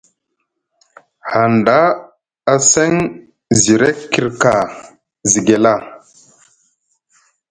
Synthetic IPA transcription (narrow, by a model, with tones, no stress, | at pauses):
ha˨nda˦ | a˨se˦ŋ | zi˨ɾe˦kkːi˨ɾka˨ | zi˨ɡe˨la˦˨